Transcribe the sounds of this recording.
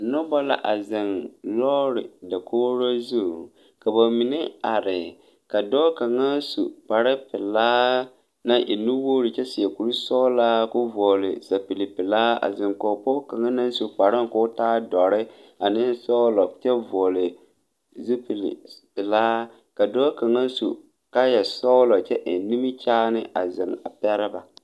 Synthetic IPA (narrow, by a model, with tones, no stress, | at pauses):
nʊ˦bɔ˦la̰˦ʔa˨zɪ˨nlɔː˦ɾɪ˨da˨kʰoː˦ɾo˦zu˦˨ | ka˨ba˨mɪ˨nɪ˦a˨ɾɪ˨ | ka˨dɔː˦ka˨ŋa˦sṵ˨k͡pa˨ɾɪ˦pɪ˨laː˦ | na˦ʔḭ˨nu˦woː˦ɾɪ˨t͡ʃɛ˦sɪ˨ɛ˨ku˨ɾi˦sɔ˦laː˦kʊ˦vɔː˨lɪ˨sa˨pi˨lɪ˨pɪ˨laː˦a̰˨zɪ˨ŋkɔ˨pɔ˦ka˨ŋa˦na˦n˦su˨k͡pa˨ɾɪ˦ŋ˨kʊ˦taː˦dɔ˨ɾɪ˦ | a˨nɪ˦sɔ˦lɔ˨t͡ʃɛ˦vɔ˨lɪ˨ | zi˦pi˨lḭ˨pɪ˨laː˦ | ka˨dɔː˦ka˨ŋa˦n˦sṵ˨ | ka˦jɛ˨sɔ˦ʊ˦lɔ˨t͡ʃɛ˦ʔɪ˨n˨˦ni˦mi˦t͡ʃaː˦nɪ˦ʔa˨zɪ˨ŋa̰˨pɛ˦ɾɪ˦ba˨